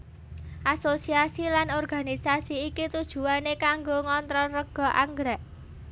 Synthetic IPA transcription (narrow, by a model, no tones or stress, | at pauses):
ʔasosiasilanɔrɡa̤nisasiːkit̪ud̥ʒ̥ṳanekaŋɡoŋɔnt̪ɾɔrəɡ̥ɔ̤ʔaŋɡɾɛʔ